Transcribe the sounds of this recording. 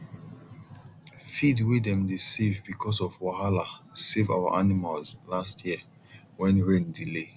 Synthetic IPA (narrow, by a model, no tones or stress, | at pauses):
fidwidɛ̃mdesevbikʰɔsɔvwaɦalaseva̰ʊa̰ʔanimalzlastʰjiə | wɛ̃nɹẽndile